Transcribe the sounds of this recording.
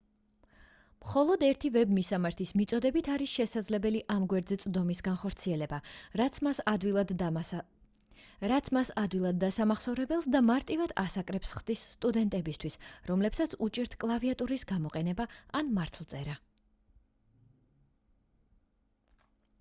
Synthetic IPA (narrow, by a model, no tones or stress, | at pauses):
mχɔlˠɔd̪ɛɾt̪ʰivɛbmisamaɾt̪ʰismit̪sʼɔd̪ɛbit̪ʰaɾisʃɛsad̪zlɛbɛliʔamɡwɛɾd̪zɛt̪sʼd̪ɔmisɡanχɔɾt̪sʰiɛlɛba | ad̪id̪ | ɾat̪sʰmasad̪vilˠad̪̚ːasamaχsɔvɾɛbɛlˠsd̪amaɾt̪ʼivad̪̥asakʼɾɛpsχd̪isːt̪ʼud̪ɛnt̪ʼɛbist̪ʰwisɾɔmlɛpsat̪sʰut͡ʃʼiɾt̪ʰkʼlˠaviat̪ʼuɾisɡamɔqʼɛnɛbaanmaɾt̪ʰlˠt̪sʼɛɾa